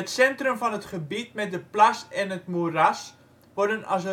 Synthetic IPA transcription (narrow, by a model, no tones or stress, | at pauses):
ətsɛntrəmfɔnətχəbit̚mɛt̚dəplasɛnətmuras | ʋɔrdənɔ̰sə